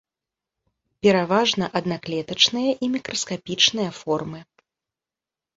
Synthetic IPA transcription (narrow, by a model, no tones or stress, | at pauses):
pʲɛɾavaʐnɐʔɐd̪naklʲɛt̪ɐt͡ʂnɨjɐʔimʲikɾʔɐskapʲit͡ʂnɨjɐfɔrmɨ